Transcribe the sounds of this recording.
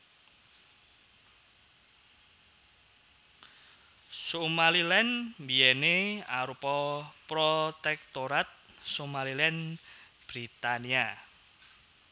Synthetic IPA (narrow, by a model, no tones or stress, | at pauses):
sumalilɛnmbiɛneaɾupɔpɾot̪ɛk̚t̪oɾat̪̚ | sumalilɛn | b̥ɾit̪ania